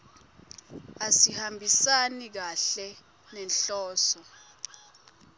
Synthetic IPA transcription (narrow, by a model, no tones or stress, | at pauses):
asihambʱisanik̬aɬɛ | nɛnɬɔːsɔ